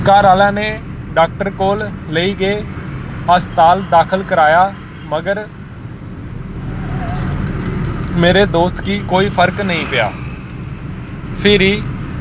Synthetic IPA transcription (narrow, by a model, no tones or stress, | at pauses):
kaːɾaːlãːneːɖaːk̚ʈəɾkoːlːəiːɡeː | əst̪aːld̪aːkʰəlkəɾaːjaː | məɡəɾ | meːɾeːd̪oːst̪kiːkoːiːpʰəɾknəĩːpɪja̰ː | pʰɪɾiː